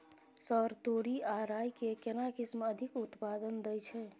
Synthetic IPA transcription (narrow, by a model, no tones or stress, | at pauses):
səɾt̪oɾiaɾajkekenakɪsməd̪ʱikut̪pad̪ənd̪əjt͡ʃʰɛ